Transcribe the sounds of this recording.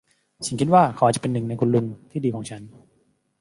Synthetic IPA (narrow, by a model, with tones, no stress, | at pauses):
si˨˩ŋkʰi˦˥t̪̚waː˥˩kʰʔa˨˩t͡ɕpe˧nːɯ˨˩ŋna˧jkʰu˧nlu˧nt̪ʰiː˥˩diː˧kʰɔː˩˦ŋt͡ɕʰa˦˥n